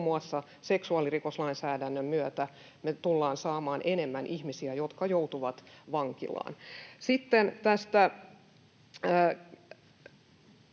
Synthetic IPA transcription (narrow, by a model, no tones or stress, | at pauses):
mːuɑsːɑ | seksuɑlirikoslɑinsæːdænːømmyøt̪æ | met̪ulːɑːnsɑːmɑːnʔenemːænʔihmisiæjot̪kɑjout̪uʋɑt̪ʋɑŋkḭlɑ̰ːnsit̪ːent̪æst̪æ